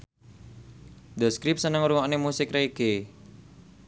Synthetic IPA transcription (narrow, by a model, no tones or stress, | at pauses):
d̪̥ɔ̤skɾɪp̚sənəŋɾuŋɔʔnemusɪkreke